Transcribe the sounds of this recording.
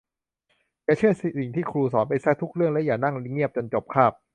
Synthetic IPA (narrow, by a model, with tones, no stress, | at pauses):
ka˧˩t͡ɕʰɯ˥˩ɐsi˨si˨˩ŋt̪ʰiː˥˩kʰɾuː˧sɔː˩˦npa˧jsa˦˥t̪ʰu˦˥k̚ɾɯ˥˩əŋlɛ˦˥jaː˨˩na˥˩ŋi˩ŋi˥˩əp̚t͡ɕo˧nt͡ɕo˨˩p̚kʰaː˥˩p̚